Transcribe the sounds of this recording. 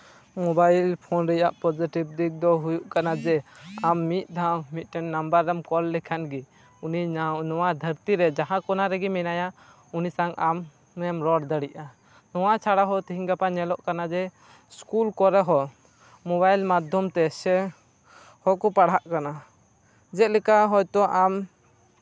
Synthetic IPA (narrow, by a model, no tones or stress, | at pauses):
mɔbajlpʰɔnɾɛjaʔpɔd͡ʒiʈib̚d̪ib̚d̪ɔɦujuʔkanad͡ʒɛamːit̪̚ˀd̪ʱawmit̪̚ˀʈɛnːambaɾːɛmkɔlːɛkʰɛnɡɛ | uninɔwad̪ʱəɾt̪iɾɛd͡ʒaɦãkɔnaɾɛɡɛmɛnaja | unisaŋʔamː | ɛmɾɔɽd̪əɽiʔa | nɔwat͡ʃʰaɽaɦɔt̪iɦiŋɡapaɲɛlɔʔkanad͡ʒɛ | skulkɔɾɛɦɔ | mɔbajlmad̪ʱjɔmt̪ɛsɛ | hɔkɔpaɽɦaʔkana | d͡ʒɛt̪lɛkaɦɔjt̪ɔʔam